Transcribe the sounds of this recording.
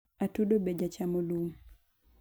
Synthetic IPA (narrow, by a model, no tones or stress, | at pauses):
atudobed͡ʒat͡ʃamolum